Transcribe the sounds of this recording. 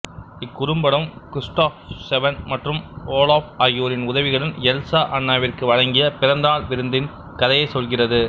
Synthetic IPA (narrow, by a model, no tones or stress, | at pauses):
ɪkːʊɾɯmbɐɽɐmkɾɪsʈaːfsɛʋɐnmɐʈrɯmoːlaːfɐjːoːɾɪnʊðɐʋɪɣɐɭɪnɛlsaːʔɐnːaːʋɪrkɯʋɐɻɐŋɡɪjɐpɪɾɐnd̪aːɭʋɪɾɯnd̪ɪn | kɐðɐjɐɪsɔlɣɪrɐðɯ